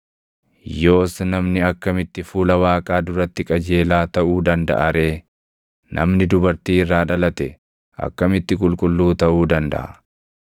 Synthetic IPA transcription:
jo̞ːsnɐmnɪɐkːɐmɪt̪ːɪfuːlɐwaːkʼaːd̪ʊɾɐt̪ːɪkʼɐd͡ʒe̞ːlaːt̪ɐʔuːd̪ɐnd̪ɐ̰ʔɐɾe̞ː | nʔɐ̰mnɪd̪ʊbɐɾt̪iːɪrːaːᶑɐlɐt̪ɛ | ʔɐ̰kːɐmɪt̪ːɪkʼʊlkʼʊlːuːt̪ɐʔuːd̪ɐnd̪ɐ̰ʔɐ̰

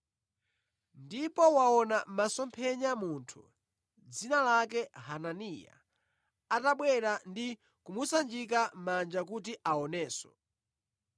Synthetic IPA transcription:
ndipɔwaɔnamasɔmpʰɛɲamuntʰu̥̰ | d͡zinalak̬ɛhananija̰ | ataɓwɛɾandi | kumusand͡ʒik̬amand͡ʒak̬ut̬iʔaɔnɛːsɔ̥

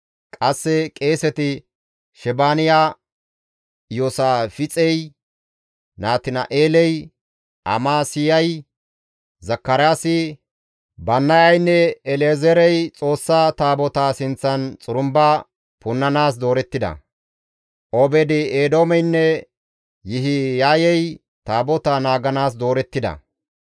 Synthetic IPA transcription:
kʼɐsːɛkʼeːsɛt̪ɪ | ʃɛbaːnɪjaː | joːsaːfɪt͡sʼɛj | naːt̪ɪnɐ̰ʔeːlɛj | ʔɐ̰maːsɪjɐj | zɐkːɐɾaːsɪ | bɐnːɐjɐjnːɛɛleːzɛɾɛjt͡sʼo̞ːsːaːt̪aːbɔt̪aːsɪnt͡sːɐnt͡sʼʊɾʊmba | pʊnːɐnaːs̬d̪o̞ːɾɛt̪ːɪd̪ɐ̰ | ʔobɛd̪ɪeːd̪oːmɛjnːɛ | jɪɦɪjaːjɛj | t̪aːbɔt̪aːnaːɡɐnaːs̬d̪o̞ːɾɛt̪ːɪd̪ɐ̰

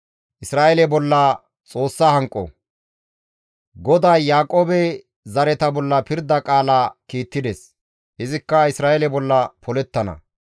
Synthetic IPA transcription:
ʔɪsɾaːʔɛlɛbɔlːɐ | t͡sʼo̞ːsːɐhɐŋkʼːɔ̰ | ɡɔd̪ajːaːkʼoːbɛ | zɐɾɛt̪ɐbɔlːɐpɪɾd̪ɐkʼaːlaːkiːt̪ːɪd̪ɛs | hɪzɪkːɐɪsɾaːʔɛlɛbɔlːɐpʰɔlɛt̪ːɐnɐ̰

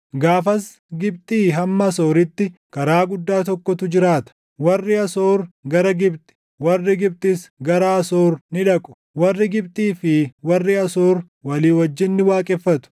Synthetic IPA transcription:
ɡaːfɐs | ɡɪbt̪ʼiːɦɐmːɐso̞ːɾɪt̪ːɪkɐɾaːɡʊd̪ːaːt̪ɔkːɔt̪ʊd͡ʒɪɾaːt̪ɐ̥ | wɐrːɪɐsoːɾɡɐɾɐɡɪbt̪ʼɪ̥ | wɐrːɪɡɪb̚t̪ʼɪsɡɐɾɐɐsoːɾnɪᶑɐkʼʊ̥ | wɐrːɪɡɪbt̪ʼiːfɪwɐrːɪɐsoːɾ | wɐliːwɐd͡ʒːɪnːɪwaːkʼɛfːɐt̪ʊ̥

